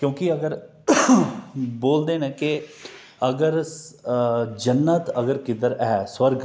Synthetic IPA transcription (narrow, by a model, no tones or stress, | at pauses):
kjõːkɪəɡəɾ | boːld̪eːnɛ̃ːkɪ | əɡəɾ | d͡ʒənːət̪əɡəɾkɪd̪əɾɛːswəɾɡ